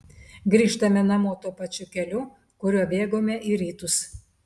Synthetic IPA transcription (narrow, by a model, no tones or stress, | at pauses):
ɡɾʲiːʃt̪ɐmʲɛnɐmoːt̪uːpɐt͡ʃʲʊkʲɛlʲʊ | kʊɾʲuɔbʲeːɡoːmʲɛʔiːɾʲiːt̪ʊs